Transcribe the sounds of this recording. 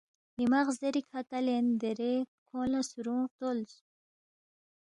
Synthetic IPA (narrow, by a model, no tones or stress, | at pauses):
nimaʁzeɾikʰakalend̪eɾekʰolasuɾũt̪olz